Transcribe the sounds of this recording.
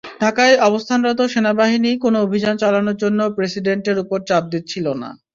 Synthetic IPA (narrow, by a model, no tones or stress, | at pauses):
ɖʱakajʔɔbost̪ʰanɾɔt̪̬oʃenabaɦinikonoobʱid͡ʑant͡ɕalanoɾd͡ʑonːopɾesiɖeɳʈeɾupoɾt͡ɕap̚d̪it̪t͡ɕʰilona̰